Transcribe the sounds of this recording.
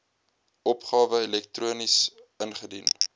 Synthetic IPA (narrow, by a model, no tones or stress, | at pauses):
ʔɔpχɑːvəɛlɛk̚truənisənχədḭn